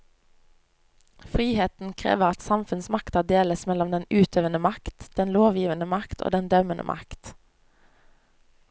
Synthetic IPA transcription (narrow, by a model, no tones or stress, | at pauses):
fʁiːheːt̪n̩kʰʁḛːʋəʁɑt̪sɑmfʉnsmɑkt̪ɑːd̪eːləsmɛlɔmd̪ɛnʉːt̪ʰøːʋənəmɑkt̪d̪̥ɛnloːʋjiːʋənəmɑkt̪ʰo̰ːd̪ɛnd̪œmənʔə̰mʔɑ̰kt̪